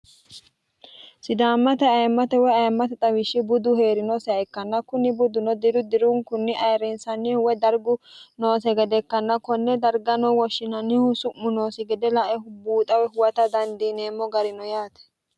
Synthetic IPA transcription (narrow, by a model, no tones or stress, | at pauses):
sɪd̪aːmːɐt̪ɛɐjmːɐt̪ɛwɛɐjmːɐt̪ɛt̪ʼɐwɪʃːɪbʊd̪ʊhe̞ːɾɪnɔsɛɛkːɐnːɐkʊnːɪbʊd̪ʊnɔd̪ɪɾʊd̪ɪɾʊŋkʊnːɪʔɐjɾɛnsɐnːɪhʊwɛd̪ɐɾɡʊno̞ːsɛɡɛd̪ɛkːɐnːɐkɔnːɛd̪ɐɾɡɐnɔwɔʃːɪnɐnːɪhʊsʊmːʊnoːsɛɡɛd̪ɛlɐʔɛhʊbuːt̪ʼɐwɛhʊwɐt̪ɐd̪ɐnd̪iːneːmːɔɡɐɾɪnɔjaːt̪ɛ̥